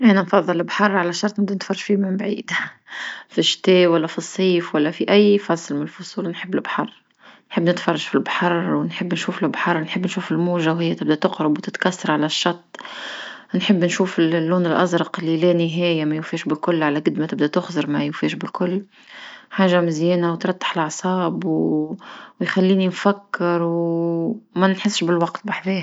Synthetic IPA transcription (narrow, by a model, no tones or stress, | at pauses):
ʔænanfɑðˤːɑlːɪbħɑrˤːʕalaʃːɑɾˤt̪ˤnɪb̚d̪ænɪt̪fɑrˤːɑ̥ʃfimɪmbʕiːd̪ | fiʃːt̪eːwalːæfisˤːiːfwalːæfiʔæjːfɑsˤːlmɪnɪlfʊsˤuːlnħɪbːɪlɪbħɑrˤː | nħɪbːnɪt̪fɑrˤːɑʃfilbħɑrˤwɪnħɪbːnʃuːflɪbħɑɾˤːnħɪbːnʃuːfɪlmuːʒawhɪjːat̪ɪbd̪æt̪ʊqɾɑbwt̪ɪt̪kasːɑɾˤʕalaʃːɑɾt̪ˤː | nħɪbːnʃuːfɪllːuːnɪlʔɑzɾɑqɪlːilænɪɦæːjamæjʊfiːʃbɪlkʊlːʕalæɡʊd̪mat̪ɪbd̪æt̪ʊxzɑɾˤmæjʊfiːʃbɪlkʊlː | ħaːʒamɪzjɛːnawt̪ɾˤɑt̪ːɪ̥ħɪlɑʕsˤɑːbw | wjxælːiːninfækːɪɾw | mænnħɪsːʃbɪlwɑqt̪baħfeːh